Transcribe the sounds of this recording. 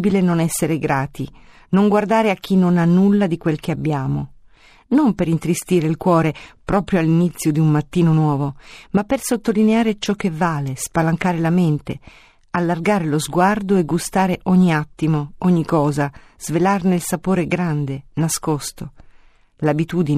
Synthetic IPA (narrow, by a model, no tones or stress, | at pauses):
bilenonɛsːeɾeɡɾaːt̪i | noŋɡward̪aːɾeak̟ːinːonanːulːad̪ikwelk̟eabːjaːmo | nompeɾint̪ɾist̪iːɾeilkwɔːɾepɾɔːpɾjoalːinit̪sːjod̪iummat̪ːiːnonwɔːvomapːersot̪ːolineaːɾet͡ʃɔk̟ːevːaːlespalaŋkaːɾelament̪ḛ | alːarɡaːɾelozɡward̪oeɡːust̪aːɾeʔɔɲːiat̪ːimoɔɲːikɔːza | z̥velarneilsapoːɾeɡɾand̪enaskɔst̪o | labit̪uːd̪in